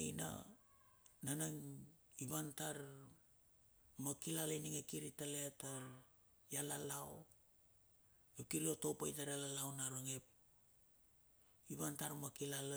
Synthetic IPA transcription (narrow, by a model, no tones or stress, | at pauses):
ejna̰ | nanaŋiβantaɾ | makilalajniŋekiɾitaleata | jalalaw | ekilotopajtaɾalalawnaɾoŋep̚ | iβantaɾmakilala